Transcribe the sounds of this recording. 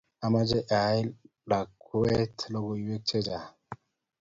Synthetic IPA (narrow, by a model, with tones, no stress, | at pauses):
a˨ma˦d͡ʒe˦ʔa˨˦i˦l | la˨kʰːu˦e˦tʰlo˦ɡo˨i˨we˦k̚t͡ʃe˦d͡ʒa˨